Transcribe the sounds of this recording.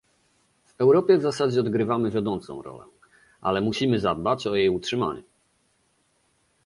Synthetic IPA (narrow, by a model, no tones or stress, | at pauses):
v̥ɛwɾɔpʲjɛvzasad͡ʑɛɔd̪ɡɾɘvamɘvʲjad̪ɔnt̪sɔ̰̃w̃ɾɔ̰lɛ̰ | ʔa̰lɛmuɕimɘzad̪̚bat͡ɕɔjejutʂɘma̰ɲṵ